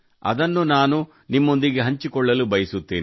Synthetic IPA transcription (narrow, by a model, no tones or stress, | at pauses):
ɐ̰d̪ɐnːunaːnu | nimːo̞nd̪iɡe̞ɦɐɲt͡ʃikɔɭːɐlubɐjɐsut̪ːḛːni